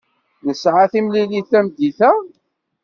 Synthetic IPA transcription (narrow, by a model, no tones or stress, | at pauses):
nəsʕaθimliliθæmd̪iθæ